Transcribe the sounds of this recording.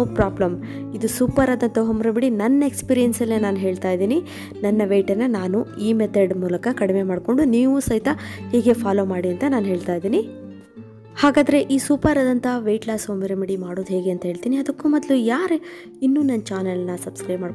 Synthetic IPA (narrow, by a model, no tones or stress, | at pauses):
pɾaːblɐm | id̪usuːpɐɾaːd̪ɐnt̪ɐɦomːɐɾɐbiɽinɐnːɐekspiːɾijɐnsɐlːenaːnuɦe̞ːɭt̪aːjd̪iːni | nɐnːɐʋeːʈɐɾnːɐnaːnuiːmet̪eɖmuːlɐkɐkɐɽime̞maːɖko̞ɳɖuniːʋusɐɦit̪ɐheːɡe̞pʰaːlo̞ːmaːɽiɐnt̪ɐnaːnuɦe̞ːɭt̪aːjd̪iːni | haːɡaːd̪ɐɾe̞ʔiːsuːpɐɾaːd̪ɐnt̪ɐʋejʈlaːsɦomɐɾɐmiɽimaːɽoːd̪ɦeːɡe̞ɐnt̪ɐɦeːɭt̪iːniɐd̪ɐkːuːmɐd̪lujaːɾ | inːuːnɐnːt͡ʃaːnɐlnɐsɐb̥skɾeːmaːɽ